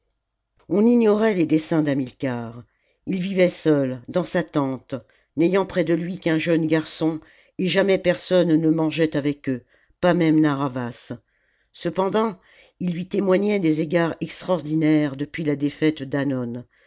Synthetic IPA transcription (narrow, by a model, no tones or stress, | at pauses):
ɔ̃niɲɔʁɛled̪esɛ̃d̪amilkaːʁ | ilvivɛsœld̪ɑ̃sat̪ɑ̃t̪ | nɛjɑ̃pχɛd̪əlɥikɛ̃ʒœnɡaʁsɔ̃ | eʒamɛpɛʁsɔnːəmɑ̃ʒɛt̪avɛkø | pamɛmnaʁavasː | əpɑ̃d̪ɑ̃ | ilːɥit̪emwaɲɛd̪ezeɡaʁɛkst̪χɔʁd̪inɛʁd̪əpɥilad̪efɛt̪d̪anɔn